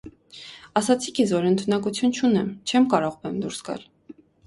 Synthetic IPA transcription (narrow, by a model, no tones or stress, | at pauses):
ɑsɑt͡sʰikʰɛsvɔɾənt̪ʰunɑkut͡sʰjunt͡ʃʰunɛmt͡ʃʰɛmkɑɾɔʁbɛmd̪uɾsɡɑ̰l